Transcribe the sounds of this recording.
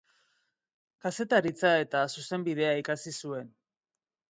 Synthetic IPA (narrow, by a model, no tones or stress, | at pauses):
kase̞t̪aɾit͡sae̞t̪asuse̞mbiðe̞aikasisue̞n